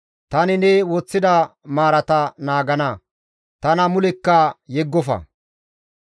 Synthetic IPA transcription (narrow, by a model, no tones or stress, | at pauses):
t̪ɐnɪnɛwɔt͡sːɪd̪ɐmaːɾɐt̪ɐnaːɡɐnɐ | t̪ɐnɐmʊlɛkːɐjɛɡːɔfɐ̰